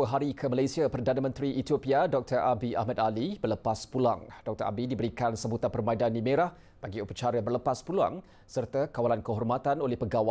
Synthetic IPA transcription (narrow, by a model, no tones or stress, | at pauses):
əɦaɾikʰəmalajsiapərdanəmə̃nt̪ɾiʔit̪iopiadɔk̚t̪ərʔabiʔa̰hmad̪alibərləpaspula̰ŋd̥ɔk̚t̪əɾʔa̰bidibəɾikansəmbut̪apərmaidandimeɾah | b̥aɡiupət͡ʃaɾəbərləpaspulua̰ŋ | sərt̪əkawalankəɦɔrmat̪anolɛhpəɡawa